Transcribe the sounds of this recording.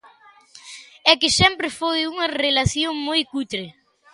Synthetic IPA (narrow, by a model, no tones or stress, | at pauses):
ɛkɪsɛmpɾɪfojuŋɐrelaθjoŋmojkut̪ɾe